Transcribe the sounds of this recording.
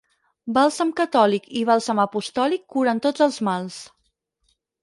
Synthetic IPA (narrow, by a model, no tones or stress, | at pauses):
balˠsəmkət̪ɔlikiβ̞alˠsəməpust̪ɔlikːuɾənt̪od͡zəlˠzmalˠs